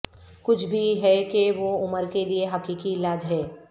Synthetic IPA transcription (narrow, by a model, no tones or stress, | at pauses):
kʊt͡ʃʰbʱiɦɛkeʋoʊməɾkelieɦɐkikiɪlaːd͡ʒɦɛː